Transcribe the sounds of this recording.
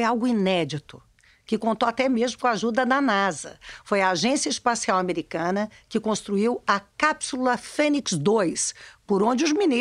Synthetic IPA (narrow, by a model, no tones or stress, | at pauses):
jawɡʊinɛd͡ʒit̪ʊ | kɪkõnt̪oat̪ɛmezmʊkõaʒud̪ɐd̪ɐnazɐ̰fojɐaʒẽsiɐispasiawameɾikɐ̃nɐkɪkõst̪ɾuiwɐkapsulɐfẽniksd̪ojspoɾõnd͡ʒɪʊzmini